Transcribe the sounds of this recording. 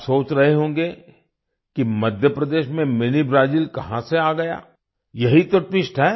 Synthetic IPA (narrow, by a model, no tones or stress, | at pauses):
soːt͡ʃɾɐɦeɦõːŋ̆ɡe | kimɐd̪ʱjəpɾɐd̪eːʃmẽmɪnibɾaːd͡ʒiːlkɐɦãseaːɡɐja̰ː | jɐɦit̪oʈɪʃʈɦɛː